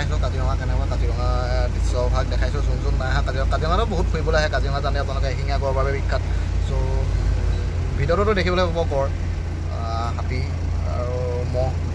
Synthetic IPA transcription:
ajsʊ̃kaziɹɔŋakɛnɛkakaziɹɔŋa | disɔbʱaɡ̚dɛkʰajsʊ̃zunzudnajaɦãkaziɹɔakaziɹɔ̃ŋatʊboɦut̚kʰuibɔlojaɦɛkaziɹɔŋazandɛap̬nalɔk̬ɛxiŋaɡɔɔbabɛbikʰːat̚ | so | bʱitɔɾɔtʊdekʰibɔlojbabɔkɔɹ | ɦati | a̰ɹu | mɔ

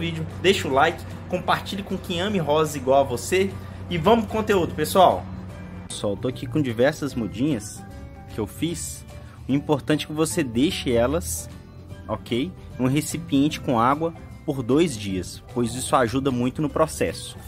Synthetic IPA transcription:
vid͡ʒʊd̪ejʃʊlajkɪ̥ | kõpaɾt͡ʃiʎɐkõkẽj̃ɐ̃mɪɦɔzɐiɡwawɐvose | ɪvɐ̃mʊskõnt̪eud̪ʊpesuaw | sawt̪oakikõd͡ʒivɛɾsɐzmod͡ʒĩɲɐs | kɪewfis | ʊĩpoɾt̪ɐ̃t͡ʃɪ̥kɪvosed̪eʃɪɛlɐs | ɔkej | ũɦesipiẽnt͡ʃɪ̥kõaɡwɐ | poɾd̪ojzd͡ʒiɐspojzisʊaʒud̪ɐmũj̃t̪ʊnʊpɾɔsɛ̰sʊ̥

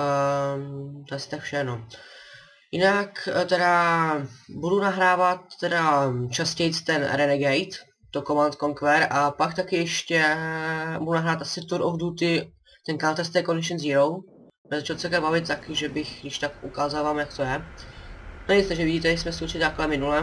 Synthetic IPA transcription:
t̪osɪ̥t̪akfʃɛno | jɪnakt̪ɛɾa | budunaɦɾaːvat̪ːɛdat͡ʃascɛjt͡st̪ɛnɾɛnɛɡɛjt̪ | t̪ːokomant̪koŋkvɛɾapakt̪akɪjɛʃcɛ | budunaɦɾaːt̪asɪt̪uɾʔovdut̪ɪ | t̪ɛnkalt̪ɛst̪ɛjkonɪt͡ʃɛnziɾow | ɛzat͡ʃalt͡sɛlkɛbavɪt̪̚t̪ːakɪʒɛbɪxdɪʃt̪akʔukaːzavaːmjakt̪ojɛ | t̪oɛjɪst̪ɛʒɛvɪɟiːt̪ɛasmɛst̪ut͡ʃɪt̪aklɛmɪnulɛ

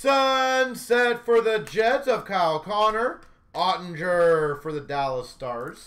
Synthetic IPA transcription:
sʌ̃nsɛtfə˞ðɨd͡ʒɛtzʌv̥kʰalˠkʰɑnə˞ | ɑʔn̩d͡ʒə˞fə˞ðɨdælˠəstɑɹz̥

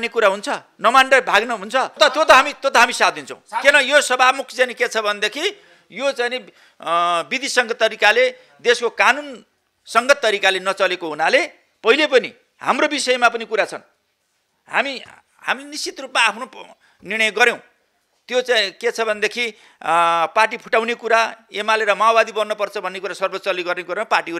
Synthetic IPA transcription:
nekuɾaɦunt͡sʰʌ | nʌmanɖʌbʱaɡnʌɦunt͡sʰʌt̪ʌt̪jot̪ʌɦamit̪jot̪ʌɦamisad̪int͡sʰʌ̃w̃kenʌjosʌbamukʰt͡sajniket͡sʰʌbʱʌned̪ekʰi | jot͡sajne | bid̪isʌŋɡʌt̪ːʌɾikale | d̪eskokanun | sʌŋɡʌt̪ːʌɾikalenʌt͡sʌlekoɦunale | pʌɦilepʌnḭ | ha̰mrobisʌjʌmapʌnikuɾat͡sʰʌn | ha̰mi | ha̰milenist͡sit̪rupmaːpʰno | nirɽ̃ʌjɡʌɾjẽw̃ | t̪jot͡sajket͡sʰʌbʱʌnd̪ekʰi | paʈ̬ipʰu̥ʈawnekuɾaemaleɾʌmawbad̪ibʌnːʌpʌrt͡sʰʌbʱʌnːekuɾasʌrbot͡sʌliɡʌrnekuɾãpaʈiɦu

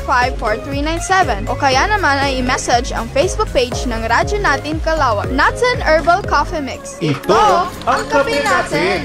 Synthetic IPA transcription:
fajvfɔɹθɹiːnajnsɛvɛ̃nʔokɐjanɐmanɐjɪmɛsɐd͡ʒɐ̰ŋfejsbuk̚pejd͡ʒnɐŋɾad͡ʒonaːt̪ɪŋkɐlaːwɐknat̪ɐnɛɹbɐlkafɛmɪksʔɪt̪o | ɐŋkɐbɪnaːt̪ɛn

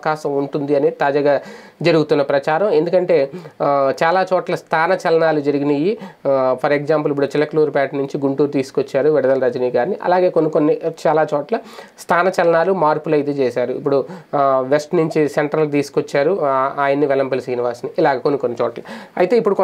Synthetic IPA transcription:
ɐkaːʃɐmuɳʈund̪iɐnet̪aːd͡ʒaːɡaːd͡ʒɐɾuɡut̪unːɐpɾɐt͡ʃaːɾɐme̞nd̪ukɐɳʈe̞ː | t͡ʃaːlaːt͡ʃɔːʈlɐst̪ʰaːnɐt͡ʃɐlɐnaːlud͡ʒɐɾiɡinɐjipʰɐɾekzaːmp̬ulip̬ːuɽut͡ʃilɐkluːɾpaːʈnuɲt͡ʃiɡuɳʈuːɾut̪iːsu̥kot͡ʃːaːɾuʋiɽɐd̪ɐlɐɾɐd͡ʒniːɡaːɾniʔɐ̰laːɡe̞ːkonːiko̞nːit͡ʃaːlaːt͡ʃɔːʈlɐst̪ʰaːnɐt͡ʃɐlɐnaːlumaːɾpulɐjt̪et͡ʃɛːsaːɾuipːuɽuʋesʈnuɲt͡ʃiseɳʈɾɐlt̪̬iːsu̥kot͡ʃːaːɾuaːjɐnːiʋɛlɐmpelɐsiːniʋaːsniʔːlaːɡeːkonːikonːit͡ʃɔːʈlɐɐjt̪e̞ːipːuɽuk

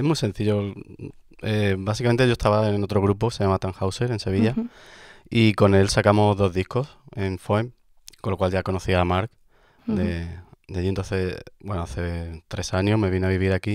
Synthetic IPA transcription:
eɦmwise̞n̟θiʎo̞ | ebasikament̪eoest̪aβaeno̞t̪ɾo̞ɣ̞ɾupokesejamat̪aŋxawse̞ɾe̞nse̞β̞iʎa | iko̞ne̞lsakamo̞zðo̞ɦðihko̞se̞ɱfoem | konlːo̞kwalʝako̞no̞θiamaɾk | d̪ed̪eaʎient̪onθe̞sbwe̞noaθe̞t̪ɾe̞saɲoɦme̞βinaβiβ̞iɾaki

